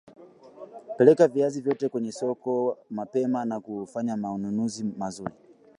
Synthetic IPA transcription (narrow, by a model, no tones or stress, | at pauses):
pɛlɛkaviazivjɔtɛkwɛɲɛsɔkɔmapɛmanakufaɲamaununuzimazuɾi